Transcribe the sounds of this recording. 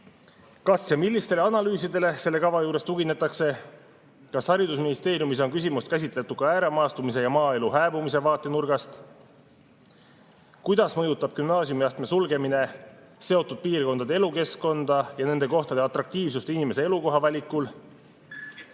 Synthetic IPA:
kɑsjɑmilʲːist̪e̞leɑnɑlyːsid̪e̞le̞se̞lːe̞kɑvɑjuːɾe̞st̪uɡine̞t̪ːˑɑkse̞ | kɑshɑɾid̪usminist̪e̞ːɾjumis̬o̞nkys̬ʲimust̪kæs̬ʲit̪ˑle̞t̪ːˑud̪̥kɑæːɾemɑːst̪umis̬e̞jɑmɑːe̞luɦæːbumise̞vɑːt̪ːˑe̞nurɡ̥ɑst̪ | kujd̪̥ɑsmɤjut̪ːˑɑb̥̚kymnɑːsijumiɑst̪me̞sulɡe̞mine̞ | se̞o̞t̪ːˑud̪̥̚piːrko̞nɑd̪ee̞luke̞skko̞nd̪̥ɑjɑne̞nd̪e̞ko̞ht̪ɑd̪eɑt̪ɾɑk̚t̪iːvsust̪inime̞se̞e̞luko̞ɦɑvɑlʲikːˑul

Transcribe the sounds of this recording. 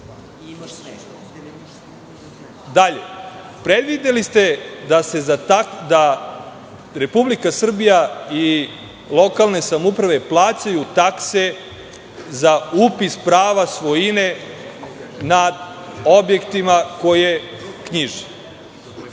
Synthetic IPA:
d̪aʎe | pɾed̪ʋid̪elist̪e̞d̪ase̞zat̪akd̪a | ɾe̞publikasr̩bijai | lo̞kalˠne̞samupɾaʋe̞plˠaːt͡ɕajut̪akse̞ | zaupispɾaːʋasʋojine̞ | nad̪ | o̞bje̞kt̪imako̞jekɲiʒi

